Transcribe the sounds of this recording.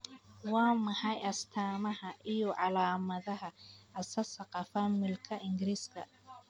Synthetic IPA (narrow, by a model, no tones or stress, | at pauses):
wɑːmɐħɑjɐst̪ʰaːmɐɦɐʔɪjɔʕɑlaːmɐðɐɦɐɐsɐsɐqɑfɐmɪlkʰɐʔɪŋɡɪɾiːskʰɐ̰